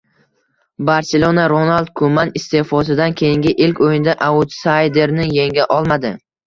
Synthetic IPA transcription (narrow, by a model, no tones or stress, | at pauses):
baɾselˠonaɾonald̪̚kʰʊmanɪst̪e̞fɒsɪd̪ankʲʰe̞jɪŋɡʲɪʔɪlkʲojɪnɪd̪aʔaʊt̪sajd̪e̞ɾnɪje̞ŋɡʲaʔɒlˠmad̪ɪ